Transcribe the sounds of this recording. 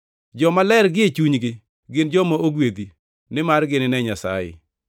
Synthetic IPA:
d͡ʒɔmalɛɾɡɪet͡ʃuɲɡɪ | ɡɪnd͡ʒɔmaoɡwed̪i | nɪmarɡɪnɪnɛɲasa̰jɪ̰

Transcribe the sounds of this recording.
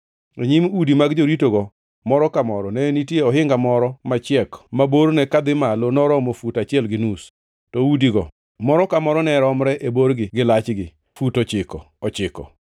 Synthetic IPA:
eɲimudimaɡd͡ʒoɾitoɡɔ | mɔɾɔkamɔɾɔnɛnitjeɔɦɪŋɡamɔɾɔmat͡ʃɪɛkmaboɾnɛkad̪ɪmalonɔɾɔmofutat͡ʃɪɛlɡɪnus | tɔudiɡɔ | mɔɾɔkamɔɾɔnɛɾɔmɾɛʔeboɾɡɪɡɪlat͡ʃɡɪ | futɔt͡ʃɪkɔ | ɔt͡ʃɪkɔ̰

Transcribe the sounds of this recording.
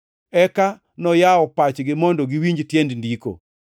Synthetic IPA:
ɛka | nɔjaɔpat͡ʃɡɪmɔndɔɡɪwiɲd͡ʒtjendndiko̰

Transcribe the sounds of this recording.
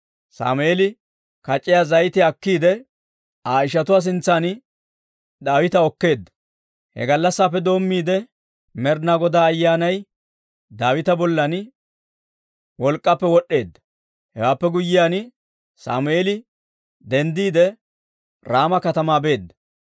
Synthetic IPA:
sa̰ːmʊeːlɪ | kɐt͡ʃʼːɪjaːzɐjt̪ɪɐkːiːd̪ɛ | aːɪʃ̬ɐt̪ʊwaːs̬ɪnt͡sːaːn | d̪aːwɪt̪ɐɔkːe̞ːd̪ːɐ̥ | hɛ̰ɡɐlːɐsːaːpːɛd̪o̞ːmːiːd̪ɛ | mɛɾnaɡɔd̪aːjːaːnɐj | d̪aːwɪt̪ɐbɔlːɐn | wɔlkʼːɐpːɛwɔɗːe̞ːd̪ːɐ̥ | hɛ̰waːpːɛɡʊjːɪjaːn | sa̰ːmʊeːlɪ | d̪ɛnd̪iːd̪ɛ | ɾaːmɐkɐt̪ɐmaːbe̞ːd̪ːɐ̥

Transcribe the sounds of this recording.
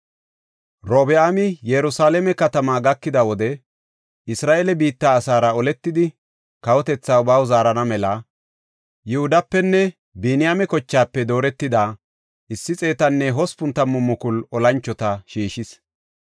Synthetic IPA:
ɾoːbɛaːmɪjɛɾʊsaːlɛmɛkɐt̪ɐmaːɡɐkːɪd̪ɐwɔd̪ɛ | ʔɪsɾaːʔeɛlɛbiːt̪ːaːsaːɾɐɔlɛt̪ːɪd̪ɪ | kɐwɔt̪ɛt͡sːaʊbaːwzaːɾɐnɐmɛlɐ | jʊhʊd̪ɐpːɛnːɛ | biːnɪjaːmɛkɔt͡ʃːaːpːɛd̪o̞ːɾɛt̪ːɪd̪aː | ʔɪsːɪt͡sʼe̞ːt̪ɐnːɛɦɔspʊnt̪ːɐmːʊmːʊkʊlɔlɐnt͡ʃːɔt̪ɐʃiːʃɪs

